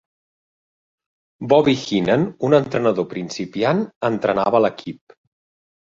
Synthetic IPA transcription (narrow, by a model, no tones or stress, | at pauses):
bɔβixinənunənt̪ɾənəðopɾinsipianənt̪ɾənaβələkʰip̚